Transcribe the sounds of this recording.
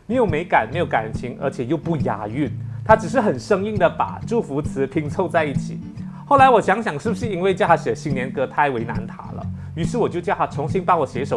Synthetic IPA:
me˧˥ɪjo˨˩ʊme˧˥ɪka˨˩˦nme˧˥jo˧˥ʊka˨˩n˨˩nt͡ɕʰi˧˥ŋə̰˞˧˥t͡ɕʰjɛ˨˩jo˥˧ʊpu˥˩ja̰˧˥y˥˩nt̪ʰa˥ʈ͡ʂɻ̩˨˩ʂɻ̩˥˩xə˨˩nʂɤ˥ŋi˥˩ŋd̪ə˩pa̰˨˩ʈ͡ʂu˥˩fu˧˥t͡sʰɹ̩˧˥pʰi˧˥ŋt͡sʰo˥˧ʊt͡sa˥˧ɪi˥˩t͡ɕʰi˨˩˦ | xo˥˩ʊla˧˥ɪwɔ˨˩ɕjɑ˧˥ŋɕjɑ˨˩ŋʂɻ̩˥˩bu˩ʂɻ̩˥˧i˥nwe˥˧ɪt͡ɕja˥˧˩xa˧˥ɕɛ˨˩˦ɕi˧˥ŋnjɛ˧˥nkɤ˧˥t̪ʰa˥˩ɪwe˧˥ɪna̰˧˥nt̪ʰa̰˧˥lə̰˧˨ | y˧˥ʂ̬ɻ̩˥˩wɔ˨˩t͡ɕjo˥˧t͡ɕja˥˩a˥˩t͡sʰʊ˧˥ŋɕi˥npɑ˥ŋwɔ˨˩ɕjɛ˧˥ʂo˨˩

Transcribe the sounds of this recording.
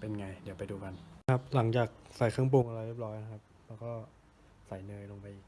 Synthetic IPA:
pe˧nŋa˧jdi˩˦wpa˧jduː˧ka˧nkʰa˦˥p̚la˩˦ŋt͡ɕaː˨˩k̚sa˨˩˦jkʰɯ˥˩ŋp̬o˧ŋʔa˧ɾa˧jwe˦˥˩p̚ɾɔː˦˥ja˧kʰa˦˥p̚lɛː˦˥wkɔː˥˩ | sa˨˩˦jnɤː˧jlo˧ŋpa˧jʔiː˨˩k̚

